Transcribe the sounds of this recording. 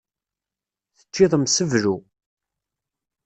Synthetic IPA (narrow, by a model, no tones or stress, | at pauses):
θə̥t͡ʃːiðˤəmsəvɾu